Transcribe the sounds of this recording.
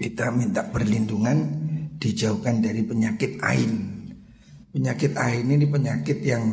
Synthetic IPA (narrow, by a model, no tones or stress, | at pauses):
kit̪amint̪aʔbərlinduŋand̥id͡ʒaukandaɾipəɲakɪt̪ʔa̰ɪn | pəɲakɪt̪aɪninipəɲakɪt̪jaŋ